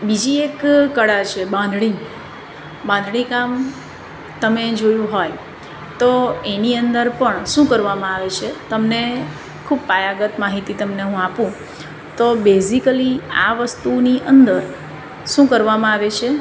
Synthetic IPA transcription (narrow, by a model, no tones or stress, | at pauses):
bid͡ʒiekːəɽat͡ʃʰebãnd̪ʱɭi | bãnd̪ʱɭ̃ikam | t̪əmed͡ʒojũɦoj | t̪oeniənd̪əɾpəɳʃũkəɾʋamãaʋet͡ʃʰet̪əmne | kʰub̚pajaɡət̪maɦit̪it̪əmneɦũapũ | t̪obezikəliaʋəst̪uniʔənd̪əɾ | ʃũkəɾʋamãaʋet͡ʃʰe